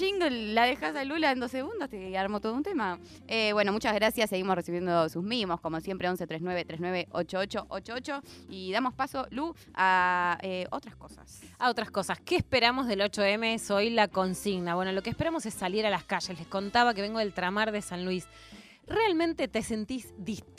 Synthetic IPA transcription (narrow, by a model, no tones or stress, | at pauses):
t͡ʃiŋɡlaðexas̬alulaend̪oseɣũnd̪ast̪eaɾmot̪oðount̪ema | eβwe̞nomut͡ʃazɣɾasjasːeɣimosresiβje̞nd̪osusmimosko̞mosje̞mpɾeo̞nset̪ɾeɦnweβet̪ɾeɦnwe̞βeʔot͡ʃoot͡ʃoʔot͡ʃoot͡ʃo̞iðamo̞spaso̞lu | aeot̪ɾaskosa̰saot̪ɾasko̞saskeːspeɾamo̞zðelo̞t͡ʃoemeeso̞jlako̞nsiɣnaβweno̞lo̞keːhpeɾamo̞sesːaljeɾalakaʃeslesko̞nt̪aβak̬eβeŋɡo̞ðelt̪ɾamaɾðesanlwis | realmẽnt̪et̪ese̞nt̪izðis